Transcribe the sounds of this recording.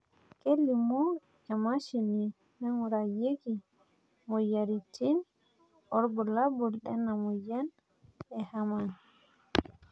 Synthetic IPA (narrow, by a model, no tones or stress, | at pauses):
kelːimɔ | ɛmaʃini | nɛŋuɾajeɡi | mɔjaɾitʰin | ʔɔɾbɔlabulɗɛnːamɔjan | ɛhaman